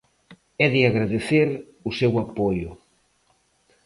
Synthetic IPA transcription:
ɛðɪaɣɾaðeθeɾ | ʊsewapojʊ

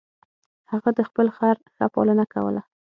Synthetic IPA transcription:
haɣad̪əxpəlxaɾxapɑ̰lənaka̰wə̰la

